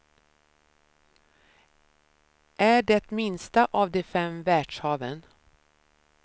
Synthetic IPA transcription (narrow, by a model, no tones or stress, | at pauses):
ʔæɖɛt̪mɪnst̪aʔɑːvd̪ɛfɛmvæːɖʂhɑːvən